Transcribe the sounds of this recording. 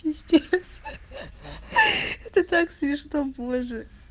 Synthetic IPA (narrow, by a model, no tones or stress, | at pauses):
ɪsʲtʲes | ɛt̪ət̪aksʲmʲɪʂnoboʐɨ